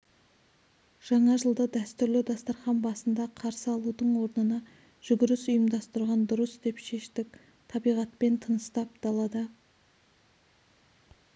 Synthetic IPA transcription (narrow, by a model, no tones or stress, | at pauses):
ʒ̥ɑɴɑʒəlˠd̪əd̪æst̪ʏɾlɪd̪ɑst̪ɑɾχɑnbɑsənd̪ɑqʰɑɾsəɑlˠud̪əɴwo̞ɾnənɑ | ʒ̥ʏɡʲɪɾɪsʊjəmd̪ɑst̪əɾʁɑnd̪ʊɾəsd̪e̞pʃe̞ʃt̪ɪk̚ʲ | t̪ʰɑbijʁɑt̪̚pe̞nt̪ʰənəst̪ɑp̚d̪̥ɑlˠɑd̪ə